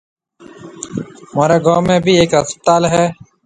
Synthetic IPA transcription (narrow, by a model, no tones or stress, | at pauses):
maːɾeːɡoːmẽːbʱiːeːkɦəst̪aːlɦɛː